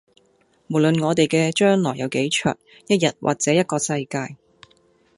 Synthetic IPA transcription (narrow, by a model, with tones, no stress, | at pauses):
mo˨˩wlɵ˨nŋɔː˨˧t̪e˨jkɛː˧t͡ʃœː˥ŋlɔː˨˩jɐ˨˧wke˨˥jt͡ʃʰœ̰ː˨˩t̚ | jɐ˥t̚jɐ˨t̚wʔa̰ː˨˩k̚t͡sɛː˨˥jɐ˥t̚kɔː˧sɐ˧jkaː˧j